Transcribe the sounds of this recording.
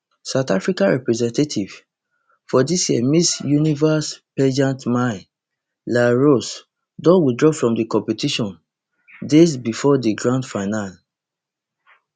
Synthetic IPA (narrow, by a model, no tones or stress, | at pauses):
saʊtafɹikãɹɛpɹɛzɛ̃ntatʰiv̥ | fɔdisjiɛmisjunivaspɛd͡ʒãntmaɪ | laɹos | dɔ̃widɹɔfɹɔ̃mdikɔ̃mpɛtiʃɔ̃n | des̬bifɔdiɡɹãndfaɪnal